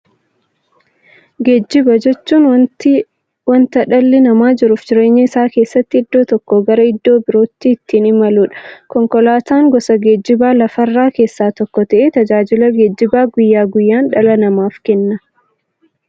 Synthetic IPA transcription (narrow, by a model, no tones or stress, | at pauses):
ɡeːd͡ʒːɪbɐd͡ʒɛt͡ʃːuːn | wɐnt̪ɐᶑɐlːɪnɐmaːd͡ʒɪɾʊfd͡ʒɪɾe̞ːɲːɐɪsaːke̞ːsːɐt̪ːɪɪd̪ːo̞ːt̪ɔkːɔɡɐɾɐɪd̪ːo̞ːbɪɾo̞ːt̪ːiːt̪ːiːnɪmɐluːᶑɐ̥kɔŋkɔlaːt̪aːŋɡɔsɐɡeːd͡ʒːɪbaːlɐfɐrːaːke̞ːsːaːt̪ɔkːɔt̪ɐʔet̪ɐd͡ʒaːd͡ʒɪlɐɡeːd͡ʒːɪbaːɡʊjːaːɡʊjːaːnᶑɐlɐnɐmaːfkɛnːɐ